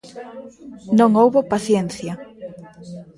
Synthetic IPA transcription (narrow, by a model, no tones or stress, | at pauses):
nõŋowβopaθjɛnθjɐ